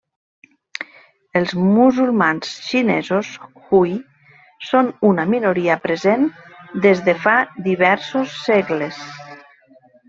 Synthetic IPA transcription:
elˠzmuzulˠmansʃinezosxuj | sonunəminuɾiəpɾezend̪ezðefad̪iβɛɾsosːeɣles

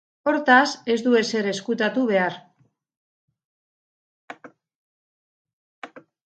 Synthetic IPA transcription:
o̞ɾt̪ase̞zd̪ue̞se̞ɾe̞skut̪at̪uβe̞aɾ

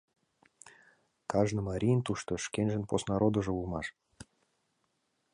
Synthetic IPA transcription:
kɑʒnɤ̆mɑɾʲijnt̪uʃt̪ŏʃkenʲʒə̆nposnɑɾod̪ŏʒɤ̆ulmɑʃ

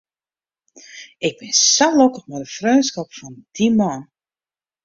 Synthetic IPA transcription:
ɪɡ̚bɪnsalokəχmɛdəfrøːnskɔpfɔnd̥imɔn

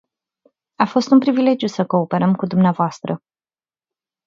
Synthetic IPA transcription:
afo̞st̪unpɾivile̞d͡ʒjusəko̞ːpe̞ɾəmkud̪umneavoast̪ɾə

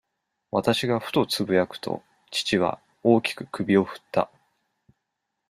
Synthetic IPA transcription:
βat̪aɕiɡaɸɯ̟̥t̪o̞t͡sɨbɯ̟jakɯ̟̥t̪o̞̰ | t͡ɕi̥t͡ɕiβ̞a̰ | o̞ːkʲi̥kɯ̟kɯ̟bʲio̞ɸɯ̟̥t̪ʰːa̰

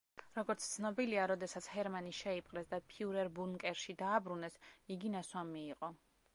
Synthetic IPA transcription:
ɾɔɡɔɾt̪sʰt̪sʰnɔbiliaɾɔd̪ɛsat̪sʰhɛɾmaniʃɛipʼqʼɾɛsd̪apʰiuɾɛɾbunkʼɛɾʃid̪aːbɾunɛsiɡinaswamiːqʼɔ

